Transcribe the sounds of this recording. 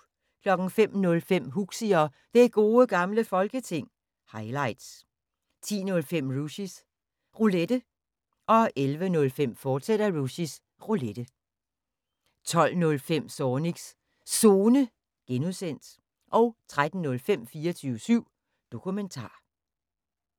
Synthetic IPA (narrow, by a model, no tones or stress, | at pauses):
kʰlɒ̽ɡ̥n̩fem̰nɔ̽lfem̰ɦuɡ̥siɒ̽ | d̥eɡ̥o̝ːəɡ̥ɑ̈mləfɒ̽lɡ̥ət͡sʰe̝ŋ̰ | hɑ̈ɪlɑ̈ɪd̥s | t͡sʰḭːnɔ̽lfem̰ʁuɕis | ʁuled̥ə | ʔɒ̽elʋənɔ̽lfem̰fɒːd̥sed̥ɐʁuɕis | ʁuled̥ə | t͡sʰɒ̽l̰nɔ̽lfem̰sɒːniɡ̥s | so̝ːnə | ɡ̥enuðˠsen̰d̥ | ʔɒ̽ʊt͡sʰʁad̥n̩nɔ̽lfem̰fiːɐt͡sʰyːʊəsyʊ̰ | d̥o̝kʰument͡sʰɑ̰̈ː